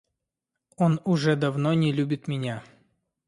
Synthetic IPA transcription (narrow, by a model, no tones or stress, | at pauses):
o̞nʊʐɛd̪ɐvnonʲɪlʲubʲɪt̪mʲɪnʲa